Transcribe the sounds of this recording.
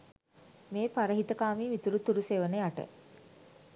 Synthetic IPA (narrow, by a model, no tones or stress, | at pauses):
meːpaɾəɦit̪əkaːmiːmit̪uɾut̪uɾuseːʋənəjaʈə̰